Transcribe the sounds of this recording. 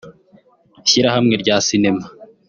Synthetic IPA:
çiɾahamŋe̞ɾɟaːsine̞ma

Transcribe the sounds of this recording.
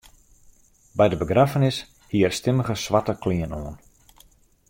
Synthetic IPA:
bɛjdəbəɡrafənɪs | hiərstɪməɣəsʋatəkʰliənoən

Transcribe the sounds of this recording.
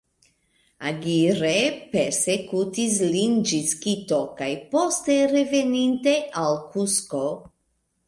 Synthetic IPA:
aɡiɾepe̞ɾsekutis̬lind͡ʒiskito̞kajpo̞steɾe̞veninte̞ʔalkusko

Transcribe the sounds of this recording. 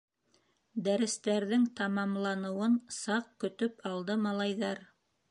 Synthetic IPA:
d̪æɾɘ̆st̪æɾðɘŋt̪ɑmɑmlˠɑnɤ̆wɤnsɑq̚kɵ̆t̪ɵpɑlˠd̪ɤmɑlˠɑjðɑɾ

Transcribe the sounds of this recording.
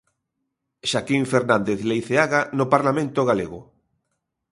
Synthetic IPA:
ʃakiɱfeɾnãnd̪eθlejθeaɣanopaɾlamẽnt̪oɣaleɣʊ

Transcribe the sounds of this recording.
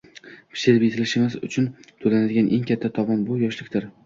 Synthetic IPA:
pʰɪ̥ʃɪɾpjet̪ʰɪlɪʃɪmɪzʊ̰t͡ʃʰʊnt̪ʰolanad̪ɪɡʲanʔe̞ŋkʲʰat̪ʰːat̪ʰɒmɒnbʊjɒʃlɪkʲd̪ɪɾ

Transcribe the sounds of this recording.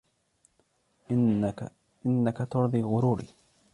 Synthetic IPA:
ʔɪnːakat̪ʊɾðˤiːɣʊɾuːɾḭː

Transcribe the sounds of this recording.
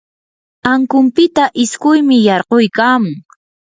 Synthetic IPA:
aŋkʊmpɪt̪aʔɪskʊjmɪjɑɾqojkaːmʊŋ

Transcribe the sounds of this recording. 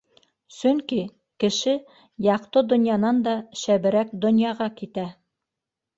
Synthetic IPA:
sɵŋki | kɘ̆ʃɘ | jɑqt̪ɤd̪ŏnjɑnɑnd̪ɑʃæβɘ̆ɾæk̚d̪ŏnjɑʁɑkit̪æ

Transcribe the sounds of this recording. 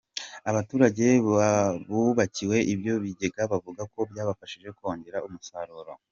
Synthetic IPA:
aβatuːɾaɟe̞ | βuβaciwe̞ʔibjo̞βiɟe̞ɡaβavuɡako̞bjaːβafaʃiʒe̞koːɲɟe̞ɾaumusaɾoɾo̰

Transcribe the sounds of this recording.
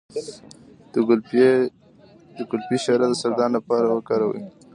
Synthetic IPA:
d̪əɡʊlpiʃɑɾad̪əsaɾd̪ɑnlapɑɾawəkɑɾawə̰j

